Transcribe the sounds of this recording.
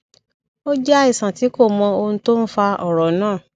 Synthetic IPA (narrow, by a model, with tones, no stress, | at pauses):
o˦d͡ʒa˦i˦˨sã˨ti˨˦ko˦˨mɔ̃˧o˧nũ˧˦to˦n̩˦fa˧ɔ˦˨ɾɔ˨nãː˦˨